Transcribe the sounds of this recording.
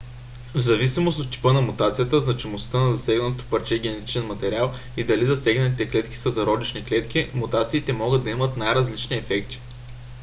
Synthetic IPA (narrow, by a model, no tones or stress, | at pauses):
vzɐvisimost̪ot̪ːi̥pɤnɐmut̪at̪sijət̪əznɐt͡ʃimost̪ənɐzɐsɛɡnɐt̪ot̪o̥pɐɾt͡ʃɛɡ̟ʲɛnɛt̪i̥t͡ʃɛnmɐt̪ɛɾʲialˠ | id̪ɐlizɐsɛɡnɐt̪it̪ɛklɛt̪k̟ʲi̥səzɐɾɔd̪it͡ʃniklɛt̪k̟ʲimut̪at̪siːt̪ɛmɔɡəd̪d̪ɐimət̪najɾɐzlit͡ʃniɛfɛkt̪i̥